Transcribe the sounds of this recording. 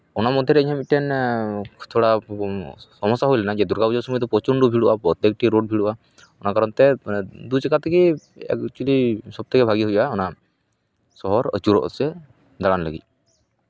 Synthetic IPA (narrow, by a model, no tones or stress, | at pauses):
ɔnamɔd̪ʱjɛɾɛəɲɦɔmiʈɛn | t̪ʰoɽa | sɔmɔsaɦujlɛnad͡ʒɛd̪uɾɡabud͡ʒɔsɔmut̪̬ɔpɔt͡ʃuɳɖubʱiɽuʔapɔt̪ek̚ʈiɾoɖ̚bʱiɽuʔa | ɔnakaɾɔnt̪ɛd̪ut͡ʃɛkat̪ʰːɛki | ɛ̰kt͡ʃulisɔb̚t̪ʰɛkɛbʱaɡiɦujʔaɔna | sɔɦɔɾə̰t͡ʃuɾɔ̰ʔsɛ | d̪aɽanləɡḭc̚